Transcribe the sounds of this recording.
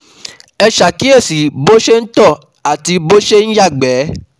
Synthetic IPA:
ɛ˧ʃa˨ki˦e˦˨si˨bo˦ʃe˦n̩˦tɔ˦˨ | a˨ti˧bo˦ʃe˦n̩˦ja˦˨ɡ͡bɛː˨˦

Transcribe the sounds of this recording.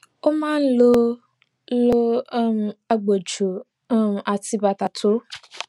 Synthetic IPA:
o˦mãː˦n̩˦lo˦ | lo˦˨ | a˨ɡ͡bo˨d͡ʒu˨ | ʔa˨ti˧ba˨ta˨tʰo˨˦

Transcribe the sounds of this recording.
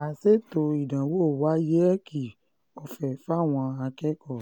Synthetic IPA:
a˨se˦to˧i˨dã˨wo˦˨wa˨˦je˦ɛ˦kʰi˨ | ɔ˧fɛ˨fa˦˨w̃ɔ̃˧a˧kɛ˦kɔ˦˨

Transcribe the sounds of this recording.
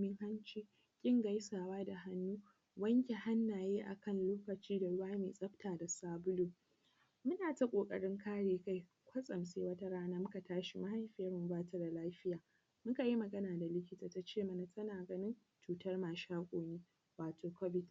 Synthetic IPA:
mɪ˦ŋha˦nt͡ʃiː˦ | kʲʼɪ˦˨ŋɡa˦jsaː˨waː˦da˨ɦa˦nːuː˦ | wɐ˦ŋkʲe˨ha˦nːaː˨jeː˦ʔa̰˨kɐ˦˨nloː˦kɐ˨t͡ʃiː˦da˨ɽʊ˦waː˦meː˨sʼɐ˦ɸtaː˨da˨saː˦bʊ˦loː˨ | mʊ˦naː˨ta˦kʷʼoː˨kʼɐ̰˨ɽɪ˦ŋkaː˦ɽeː˨ka˦j | kʷɐ˦sʼɐ˨mseː˦wɐ˦ta˦ɽaː˦naː˦mʊ˦ka˨taː˦ʃi˨ma˦ɦa˦jɸɪ˦jɐ˦rmʊ˨˦baː˦tɐ˦rda˨laː˦ɸɪ˦jaː˨ | mʊ˦ŋka˨ji˦mɐ˨ɡɐ˦naː˨da˨lɪ˦kʲɪ˦taː˨ta˨˦t͡ʃeː˦˨mɐ˨na˨tɐ˦naː˨ɡɐ˦nɪ˦n | t͡ʃuː˨tɐ˦rmaː˨ʃaː˦kʷʼoː˨neː˦ | waː˨tʰoː˨kɔ˦bɪ˦t

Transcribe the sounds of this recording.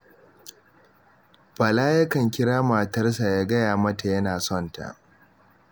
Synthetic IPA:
bɐ˨laː˦jɐ˦kɐ˨ŋkʲɪ˦ɽaː˦ma˨tɐ˦rsa˨jaː˦ɡɐ˦jaː˨mɐ˦ta˨jɐ˦naː˨sɔ˦˨nta̰˨ʔ

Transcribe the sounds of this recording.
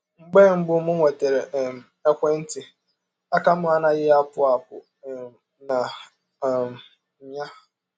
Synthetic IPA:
ŋ͡m̩˦ɡ͡bɛ˦˨m̩˦bʊ˦mʊ̃˦wɛ˨tʰɛ˨ɾɛ˨m | ɛ˦kʷɛ˦n̩˦tʰɪ˨ | a˦ka˦mʊ̃˦a˦nã˦jɪ˦a˦pʰʊ˦a˨pʊ̰˨ | nã˨ | m̩˨˦ | ã˦

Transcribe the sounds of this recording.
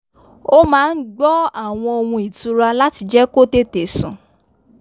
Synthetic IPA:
o˦mãː˦˧n̩˦ɡ͡bɔ˦a˦˨w̃ɔ̃˧o˧wũ˧i˨tũ˨˧ɾa˧la˦ti˧d͡ʒɛ˦ko˦te˦te˨˦sũ˨

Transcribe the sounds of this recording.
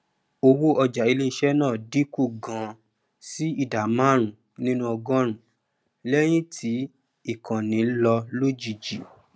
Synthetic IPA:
o˧wo˦ɔ˧d͡ʒa˨i˧le˦i˧ʃɛ˦nãː˦˨di˦ku˦˨ɡã˧˦ | si˦i˦˨da˨mã˦ɾ̃ũ˨ | nĩ˦nũ˦ɔ˧ɡɔ̃˦ɾũ˨ | lɛ˦j̃ĩ˦tʰi˨˦ | i˦˨kʰã˨nĩ˨˦lɔ˧lo˦d͡ʒi˨d͡ʒi˨

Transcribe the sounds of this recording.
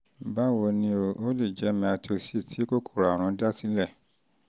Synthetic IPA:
ba˦wo˧nĩ˧o˨o˦le˦˨d͡ʒɛ˨˦mĩ˧a˧ti˨o˧si˦˨tʰi˨˦ko˦˨kʰo˦˨ɾa˨ɾ̃ɔ̃˨˧˦da˦tĩ˦lɛ˦˨

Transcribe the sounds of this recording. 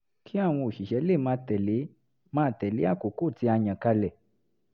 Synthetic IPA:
kʰi˦a˦˨w̃ɔ̃˧o˨ʃi˨ʃɛ˨˧˦le˦˨mã˧t̪ɛ˨li˨˦ | mã˧t̪ɛ˨li˨˦a˦˨ku˨ku˦˨t͡si˧a˧ɲã˨ka˧lɛ˨

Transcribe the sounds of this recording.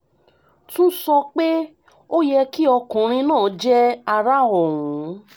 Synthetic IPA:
tũ˦sɔ˧k͡pe˦ | o˦jɛ˧ki˦ɔ˧kũ˨ɾ̃ĩ˧nãː˦˨˦d͡ʒɛ˦a˧ɾa˦ɔ˨ŋũ˨˦

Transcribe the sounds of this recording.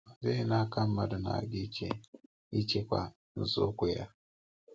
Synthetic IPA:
a˨ze˦i˦na˦ka˦mː˦a˨da˨na̰˨ɡi˦t͡ʃḛ˨ | i˦t͡ʃe˦kwa̰˨ | n̩˨zo̰˦ku˦ja˦

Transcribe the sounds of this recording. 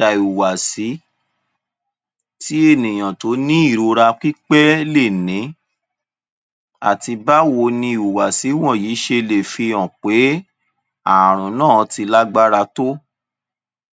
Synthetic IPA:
a˨i˨u˨wa˨si˨˦ | ti˦e˦˨nĩ˨j̃ã˨to˨˦nĩ˦i˦˨ɾo˧ɾa˧k͡pi˦k͡pɛ˦le˦˨nĩ˨˦ | a̰˦˨ti˧ba˦wo˧˦nĩ˧˦i˨u˨wa˨si˨˦w̃ɔ̃˦˨jiː˨˦ʃe˧le˨fi˧ɔ̃˨k͡pe˨˦ | a˨ɾ̃ɔ̃˨nãː˦˨˧ti˧la˦ɡ͡ba˦ɾa˧to˦

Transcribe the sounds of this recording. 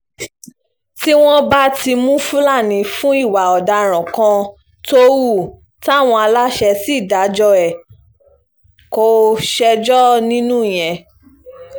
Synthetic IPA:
ti˦w̃ɔ̃˦ba˦ti˧mũ˦fũ˦la˦˨nĩ˨fũ˦i˦˨wa˨ɔ˨da˧ɾ̃ɔ̃˨kã˧ | to˦wu˦˨ | ta˦˨w̃ɔ̃˧a˧la˦ʃɛ˧si˦˨da˨˦d͡ʒɔ˧ɛ˨ | ko˧˦ʃɛ˧d͡ʒɔ˦nĩ˦nũ˦˨j̃ɛ̃˨

